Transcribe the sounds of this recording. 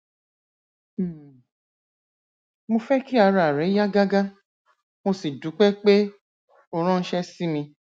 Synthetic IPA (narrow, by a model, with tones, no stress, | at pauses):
mo˧fɛ˦ki˦a˧ɾa˨ɾɛ˨˦ja˦ɡa˦ɡa˦ | mo˧si˨du˨˦k͡pɛ˦k͡pe˦ | o˧ɾ̃ɔ̃˦n̩˦ʃɛ˦si˦mĩ˧